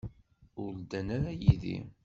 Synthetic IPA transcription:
ʊɾld̪ænaɾajiðḭ

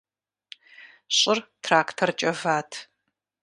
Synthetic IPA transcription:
ɕʼɪrtʰraːkʰtʰɐrt͡ʃʼɐvaːtʰ

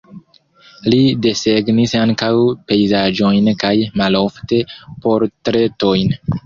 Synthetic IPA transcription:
lide̞se̞ɡnisaŋkawpe̞jzad͡ʒo̞jnkajmalo̞fte̞po̞ɾtɾe̞to̞jn

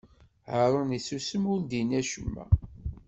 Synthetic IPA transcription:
ʕəɾˤənisusəmʊɾd̪inæʃəmːæ̰

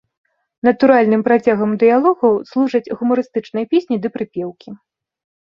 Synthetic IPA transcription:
nɐt̪uɾalʲn̪ɨmpɾat͡sʲaɣɐmd̪ɨjalˠɔɣɐwslˠuʐɐd͡zʲɣumɐɾɨst̪ɨt͡ʂnɐjɐpʲesʲnʲid̪ɨpɾɨpʲɛwkʲi

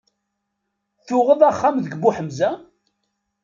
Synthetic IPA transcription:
θʊʁəðˤaχːamðəɡbuħəmzæ

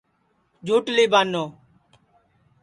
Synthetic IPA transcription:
d͡ʒʱoːʈliːbaːnːoː

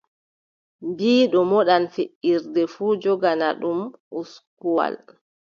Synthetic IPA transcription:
mbiːɗɔmɔɗanfeʔːiɾdɛfuːd͡ʒɔɡanaɗumʔuskuwa̰l

